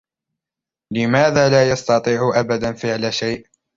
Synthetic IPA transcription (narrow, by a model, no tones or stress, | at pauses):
lɪmaːðaːlaːjɑst̪ɑt̪ˤiːʕʊʔabad̪anfɪʕlaʃajʔ